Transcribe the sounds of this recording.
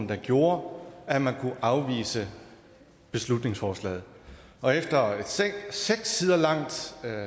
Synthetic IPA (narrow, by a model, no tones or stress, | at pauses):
n̩d̥ɑ̈ɡ̥jo̝ːɐæmænkʰuʔɑ̈ʊʋḭːsə | b̥e̝slud̥ne̝ŋsfɒːslɛ̰ːð̩ˠ | ɒ̽efd̥ɐ̥ | seɡ̥sːiːð̞ˠɐlɑ̈ŋ̰d̥